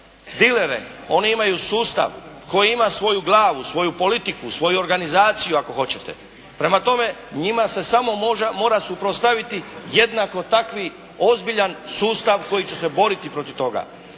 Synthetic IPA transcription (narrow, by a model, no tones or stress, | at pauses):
d̪ile̞ɾḛ | o̞niimajusuːst̪a̰ʋko̞jiimasʋo̞juɡlˠaːʋusʋo̞jupo̞lit̪ikusʋo̞juo̞ɾɡanizaːt̪sijuako̞xo̞t͡ɕe̞t̪ḛ | pɾe̞mat̪o̞me̞ | ɲimase̞samo̞mo̞ːɾasupɾost̪aʋit̪ije̞d̪nako̞t̪akʋi | o̞zbiʎansuːst̪aʋko̞jit͡ɕese̞bo̞ɾit̪ipɾo̞t̪iʋt̪o̞ɡa̰